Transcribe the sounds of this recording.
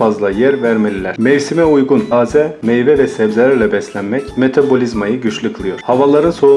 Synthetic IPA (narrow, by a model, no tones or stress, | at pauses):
azlˠajæɾvæɾmelʲilʲæɾ̥mɛvsimɛujɡunaːzɛmɛjvɛvɛsɛbzelʲæɾlʲɛbɛslʲænmɛcme̞t̪ʰabo̞lʲizmajɯɟyt͡ʃlʲɯklˠɯjoɾ̥havalˠaɾɯnso̞ɾu